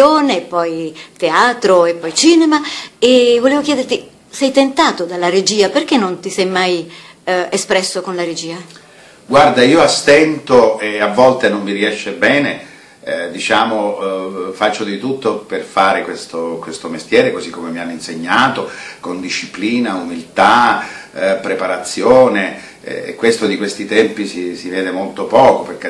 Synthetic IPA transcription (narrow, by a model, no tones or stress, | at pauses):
oːnepːɔjt̪eaːt̪ɾoepːɔjt͡ʃiːnemaevoleːvok̟jɛːd̪ert̪i | sɛjt̪ent̪aːt̪od̪alːaɾed͡ʒiːaperk̟enːont̪isɛjmaj | espɾɛsːokonlaɾed͡ʒiːa | ɡward̪aiːoast̪ɛnt̪oeavːɔlt̪enommiɾiɛʃːebɛːne | d̪it͡ʃaːmo | fat͡ʃːod̪it̪ut̪ːoperfaːɾekwest̪okwest̪omest̪jɛːɾekozikːomemianːinseɲːaːt̪okond̪iʃːipliːnaumilt̪a | pɾepaɾat̪sːjoːne | ɛ̰kːwest̪od̪ikwest̪it̪ɛmpisisivɛːd̪emolt̪opɔːkoperk̟e